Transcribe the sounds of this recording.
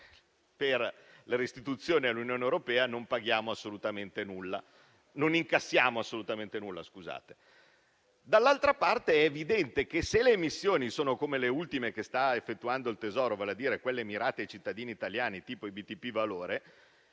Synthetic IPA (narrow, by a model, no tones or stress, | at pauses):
per | leɾist̪it̪ut̪sːjoːnialːunjoːnewɾopɛːanompaɡjaːmoasːolut̪ament̪enulːa | noniŋkasːjaːmoasːolut̪ament̪enulːa̰skuza̰ːt̪e̥ | d̪alːalt̪ɾapart̪eɛːvid̪ɛnt̪ek̟eseleːmisːjoːnisoːnokomeleult̪imekest̪aefːet̪ːuand̪oilt̪ezɔːɾovaːlead̪iːɾekwelːemiɾaːt̪eajt͡ʃit̪ːad̪iːniːt̪aljaːnit̪iːpoibit̪ipivaloːɾe